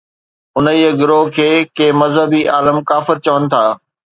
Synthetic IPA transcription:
ʊnəiːəɡɪɾokʰeːkeːmɐzɦəbiʔaːləmkaːfɪɾt͡ɕɐʋənɪ̆t̪ʰaː

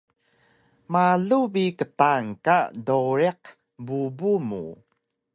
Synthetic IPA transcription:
maɮubikətaŋkadoɾiq | bubumṵ

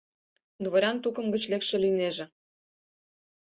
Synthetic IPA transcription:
d̪βoɾʲɑnt̪ukə̆mɡə̆t͡ɕlekʃĕlineʒĕ

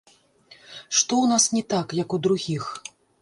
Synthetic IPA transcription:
ʂt̪ɔwnasnʲɛt̪akjɐkud̪ɾuɣʲix

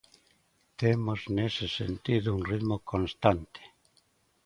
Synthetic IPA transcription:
t̪emoznesesḛnt̪iðʊunriðmokʰõnst̪ant̪e̥

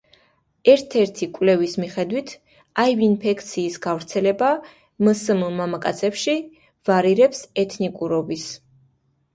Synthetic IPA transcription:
ɛɾt̪ʰɛɾt̪ʰikʼwlɛvismiχɛd̪wit̪ʰ | ajvinpʰɛkʰt̪sʰiːsɡavɾt̪sʰɛlɛba | məsmmamakʼat̪sʰɛpʃi | vaɾiɾɛpsɛt̪ʰnikʼuɾɔbis

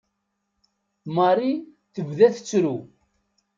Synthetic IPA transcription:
mɑrˤi | θəvðæθə̥t͡sːɾu

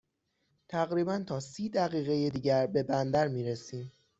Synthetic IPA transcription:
t̪ʰæɣɾiːbænt̪ʰɒːsiːd̪æɣiːɣe̞jed̪iːɟæɾbe̞bænd̪æɾmiːɾesiːm

